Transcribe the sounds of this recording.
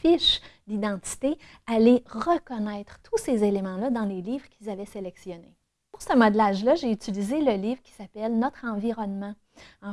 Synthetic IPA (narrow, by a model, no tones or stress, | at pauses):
fɪʃd̪id̪ɑ̃t̪i̥t̪e | aleʁəkɔnɛɪt̪χt̪ʰusezelemɑ̃lʌd̪ɑ̃leliːvʁkʲilzavɛselɛksjɔne | puʁsəmɔd̪laːʒlʌʒeyt͡silizeləliːvʁkʲi̥sapɛlnɔt̪χɑ̃viʁɔnmɑ̃ | ɑ̃